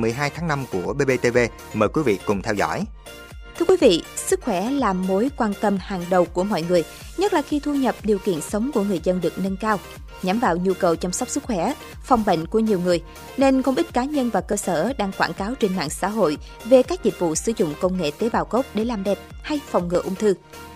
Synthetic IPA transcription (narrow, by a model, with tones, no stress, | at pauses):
mɨ˨˩əjɦaː˧jt̪ʰaː˨˦ŋna˧mku˧˩əɓe˧ɓe˧t̪e˧ve˧ | məː˨˩jkwi˨˦vḭ˧˨kʊ˨˩ŋ͡mt̪ʰɛ˧wzɔ̰˧˥˨j | t̪ʰɨ˧əkwi˨˦vḭ˧˨sɨ˦˥k̚xwɛ˧˩laː˨˩mo˨˦jkwaː˧nt̪ə˧mhaː˨˩ŋɗə˨˩wku˧˩əmɔ̰˧˨jŋɨ˨˩əj | ɲə˦˥t̚laː˨˩xi˧t̪ʰu˧ɲə˨˩p̚ɗi˨˩əwkḭ˧˨ənsə˨˦wŋ͡mku˧˩əŋɨ˨˩əjzə˧nɗɨ˨˩ək̚nə˧nkaː˧w | ɲa˨˦mvaː˧˨wɲu˧kə˨˩wt͡ɕɔ˧wŋ͡msa˦˥wk͡p̚sɨ˦˥k̚xwɛ˧˩ | fɔ˨˩wŋ͡mɓḛ˧˨ŋ̟ku˧˩əɲi˨˩əwŋɨ˨˩əj | ne˧nko˧wŋ͡mʔi˦˥t̟̚kaː˨˦ɲə˧nvaː˨˩kəː˧səː˧˩ɗaː˧ŋkwaː˧˩nkaː˨˦wt͡ɕɪ˧ŋma̰ː˧˨ŋsa̰ː˧˥ɦo̰˧˨j | ve˨˩kaː˦˥k̚zi˨˩t̚vṵ˧˨sɨ˧˩zʊ̰˧˨ŋ͡mkə˧wŋ͡mŋḛ˧˨t̪e˨˦ɓaː˨˩wko˦˥k͡p̚ɗe˧˩laː˨˩mɗɛ˨˩p̚ha˧jfɔ˨˩wŋ͡mŋɨ̰˧˨əʔʊ˧ŋ͡mt̪ʰɨ˧